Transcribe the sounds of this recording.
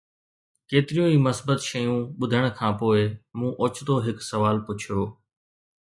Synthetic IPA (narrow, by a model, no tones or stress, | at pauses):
keːt̪ɪɾijũːiːməsbət̪ʃɐjũːɓʊd̪ʱəɽ̃̆kʰãːpoːɪmũːʔoːt͡ʃd̪oːɦɪksɐʋaːlpʊt͡ʃʰijoː